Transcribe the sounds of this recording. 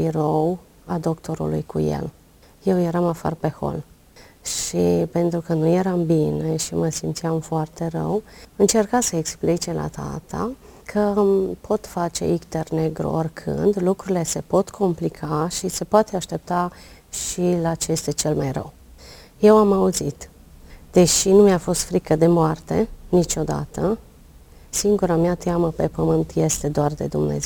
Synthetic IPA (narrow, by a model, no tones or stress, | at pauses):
biɾow | ad̪o̞kt̪ʰo̞ɾṵlṵjkujḛl | je̞wjeɾamafa̰rpe̞ho̞̰l | ʃipe̞nt̪ɾukənujeɾambine̞ʃiməsimt̪siamfoart̪e̞rə̰wɨnt͡ʃe̞rkasəeksplit͡ʃelʔa̰t̪ʰa̰t̪ʰa̰ | kʰəpʰo̞t̪fat͡ʃe̞̰ikt̪erne̞ɡɾṵorʲkʰɨ̰nd̪lukɾuɾile̞se̞po̞t̪kʰo̞mplikʰaʃise̞poat̪e̞aʃt̪e̞p̚t̪a | ʃilat͡ʃeeest̪et͡ʃe̞lmajrə̰w | je̞wamauzit̪ | d̪̥e̞ʃinumjafo̞st̪fɾikəd̪e̞moart̪e̞nit͡ʃo̞d̪a̰t̪ə | siŋɡuɾamjat̪jaməpe̞pəmɨnt̪je̞st̪e̞d̪oard̪e̞̰d̪umnḛze